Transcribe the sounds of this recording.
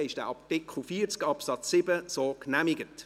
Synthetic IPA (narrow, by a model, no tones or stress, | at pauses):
ɪʃd̥ɛ̰ʔɑptɪkχl̩fiːət͡skɑpsɑt͡sːɪbəsoːknæmɪɡət